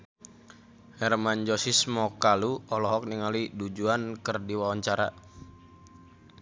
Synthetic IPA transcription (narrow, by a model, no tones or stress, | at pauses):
hɛrmand͡ʒɔsismɔkaluɔlɔɦɔk̚niŋalidud͡ʒuankərdiwawaɲt͡ʃaɾa